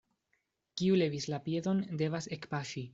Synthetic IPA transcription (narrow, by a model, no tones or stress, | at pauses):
kiule̞vislapje̞do̞nde̞vase̞kpaʃi